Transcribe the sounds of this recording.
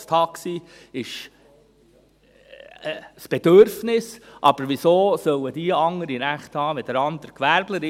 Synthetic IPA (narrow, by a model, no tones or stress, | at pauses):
st̪hɑksiː | ɪʃ | sb̥ed̥̪øɾfnɪsʔɑb̥əɾʋisoːsœwəd̥̪iəɑŋəɾiɾæχt̪hɑːʋɛd̥̪əɾɑnd̪əɾkʋæɾbləɾɪ